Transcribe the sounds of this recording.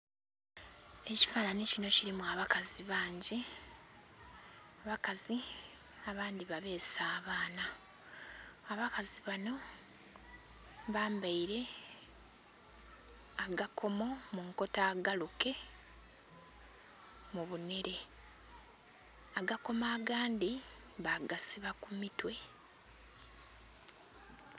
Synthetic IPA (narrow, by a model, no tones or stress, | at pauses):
e̞ci̥faːnanicino̞ciɾimuaβakaziβaːɲɟi | aβakazi | aβaːndiβaβe̞ːsaːβaːna | βakaziβano̞ | βaːmbaiɾe̞ | aɡakʰo̞mo̞muŋko̞taːɡaluke̞ | muβune̞ɾe̞ | aɡako̞maːɡaːndi | βaɡasiβakumitwe̞